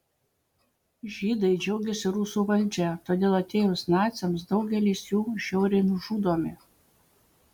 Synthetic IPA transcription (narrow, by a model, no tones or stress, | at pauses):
ʒʲiːd̪ɐɪd͡ʒʲɛʊɡʲɛsʲɪɾuːsuːʋɐlʲd͡ʒʲɛt̪oːd̪ʲeːlˠɐt̪ʲeːjosnɑːt̪sʲɛmsd̪ɒʊɡʲɛlʲiːsjuːʃʲɛʊɾʲɛɪnʊʒuːd̪oːmʲɪ